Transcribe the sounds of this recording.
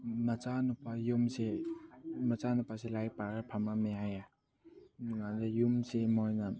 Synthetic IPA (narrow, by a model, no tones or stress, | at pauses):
mat͡ʃanupajumse | mɐt͡ʃanupaselajpaɾapʰamameaja | ŋadajumsemɔjnan